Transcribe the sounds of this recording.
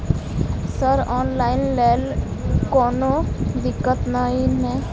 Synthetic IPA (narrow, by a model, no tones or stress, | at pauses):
səɾɔːnlaːɪnlɛːlkɔːnod̪ɪkːət̪nainɛː